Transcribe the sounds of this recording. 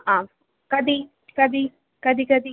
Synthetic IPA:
ã | kɐd̪i | kɐd̪i | kɐd̪ʱikɐd̪i

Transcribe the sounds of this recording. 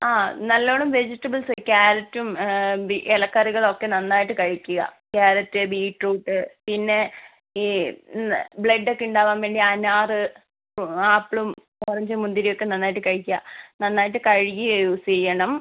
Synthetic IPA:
aːnɐlːoːɳumʋe̞d͡ʑitːɐbɐlsɨkʲaːɾɐtːumbiʔelɐkːɐriɣɐɭo̞kːe̞nɐnːaːjiʈːɨkɐɻikʲːuɣɐ̰ | kaːɾɐtːɨbiːʈruːʈːɨpinːe̞ | i | bɭeɖːo̞kːeuɳɖaːʋaːmʋe̞ːɳɖiɐnaːrɨ | aːpːɭum | orɐɲd͡ʑimund̪iɾijo̞kːe̞nɐnːaːjʈːɨkɐɻikʲːuanɐnːaːjiʈːɨkɐɻijijusejɐɳɐm

